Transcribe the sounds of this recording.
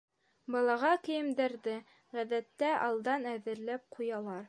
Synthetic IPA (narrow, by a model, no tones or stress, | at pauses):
bɑlˠɑʁɑkɘ̆jɘ̆md̪æɾðɘ | ʁæðæt̪ːæʔɑlˠd̪ɑnæðɘ̆ɾlæp̚qʰujɑlˠɑɾ